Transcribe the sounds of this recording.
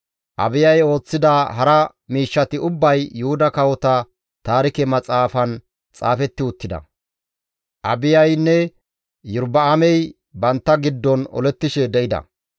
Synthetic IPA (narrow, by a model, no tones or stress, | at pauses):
ʔɐ̰bɪjɐjo̞ːt͡sːɪd̪aɦɐɾɐ | miːʃːɐt̪ɪʊbːɐjːʊhʊd̪ɐkɐwɔt̪ɐ | t̪aːɾɪkɛmɐt͡sʼaːfɐn | t͡sʼa̰ːfɛt̪ːɪʊt̪ːɪd̪ɐ̰ | ʔɐ̰bɪjɐjnːɛ | jʊɾbɐːmɛj | bɐnt̪ːɐɡɪd̪ːɔnɔ̰lɛt̪ːɪʃɛd̪ɛʔɪd̪ɐ̰